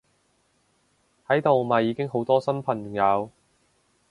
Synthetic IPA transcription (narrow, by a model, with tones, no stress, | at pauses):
hɐ˨˥jt̪o˨wmaː˨jiː˨˧kɪ˥ŋɦo˨˥wt̪ɔː˥sɐ˥npʰɐ˨˩ŋŋjɐ˨˧w